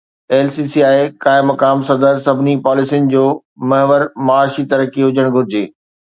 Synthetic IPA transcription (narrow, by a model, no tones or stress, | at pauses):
eːlsisiaːɪkaːɪmɐkaːmsɐd̪əɾsɐbʱɪnipaːlɪsijənɪ̆d͡ʑoː | mɐɦʋəɾmɐaːʃit̪ɐɾəkiɦʊd͡ʑʱəɽ̃ɡʱʊɾɪd͡ʑeː